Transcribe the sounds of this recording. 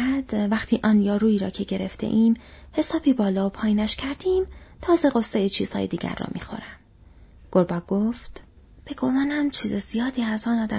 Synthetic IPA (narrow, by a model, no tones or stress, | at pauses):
æd̪̥væxt̪ʰiːʔɒːnjɒːɾuːiːɾɒ̰ːcʰe̞ɟeɾe̞ft̪e̞̰ʔiːmhe̞sɒːbiːbɒːlɒːopʰɒːjiːnæʃcʰæɾd̪iːmt̪ʰɒːze̞ɣosːejet͡ʃʰiːz̥hɒ̰ːjed̪iːɟæ̰ɾːɒ̰ːmḭːxo̞̰ɾæm | ɡ̥oɾbɒːɡ̥oft̪ | b̥e̞ɡo̞mɒːnæmt͡ʃʰiːzezijɒːd̪iːæzɒːnɒːd̪æ